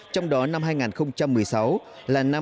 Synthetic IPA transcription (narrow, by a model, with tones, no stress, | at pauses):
t͡ɕɔ˧wŋ͡mɗɔ˨˦na˧mɦaː˧jŋaː˨˩nxə˧wŋ͡mt͡ɕa˧mːɨ˨˩əjsa˨˦w | laː˨˩na˧